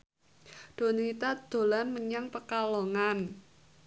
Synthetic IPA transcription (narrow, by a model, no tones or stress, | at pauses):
d̪̥o̤nəit̪ad̪̥o̤lanməɲaŋpəkaloŋan